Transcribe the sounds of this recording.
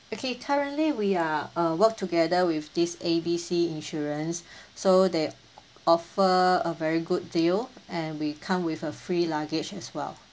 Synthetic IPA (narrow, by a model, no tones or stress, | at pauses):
okʰekʰaɹə̃ntliwiaawək̚tʰuɡɛdəwɪfdisebisiĩnʃuɹə̃nsːode | ɔfəəvɛɹiɡut̚dilɛ̃nwikʰãmwifəfɹilaɡɪt͡ʃɛswɛ̰l